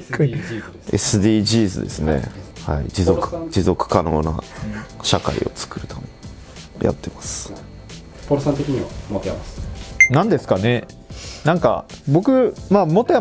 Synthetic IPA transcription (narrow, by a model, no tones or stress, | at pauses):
esɨd̪iːʑiːzɨd̪e̞sɨne̞̰ha̰ḭd͡ʑizokɯ̥d͡ʑizo̞kɯ̥kano̞ːnaɕaka̰ḭo̞t͡sɨ̥kɯ̟ɾɯ̟t̪ame | ja̰t̪ʰːe̞masɨ̥ | poɾɯsãnt̪ekʲiɲ̟iβamot̪eja̰masɨ̥nãnd̪e̞sɨ̥kane̞ | nãŋka̰bo̞kɯ̟maːmot̪eja